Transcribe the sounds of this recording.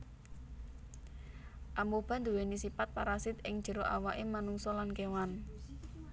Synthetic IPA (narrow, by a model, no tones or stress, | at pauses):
ʔamob̥a̤nd̪uwenisipat̪̚paɾasɪt̪ɪŋd̥ʒ̥ə̤ɾoʔa̰waʔemanuŋsɔlankewan